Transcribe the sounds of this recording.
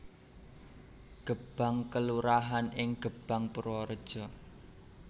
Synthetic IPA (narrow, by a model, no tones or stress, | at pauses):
ɡ̥əb̥a̤ŋkəluɾaɦanɪŋɡ̥əb̥a̤ŋpuɾɔɾəd̥ʒ̥ɔ̤